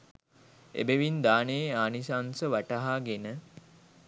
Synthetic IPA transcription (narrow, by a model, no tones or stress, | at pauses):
ḛbeʋind̪aːneːaːnisansəʋaʈəɦaɡenə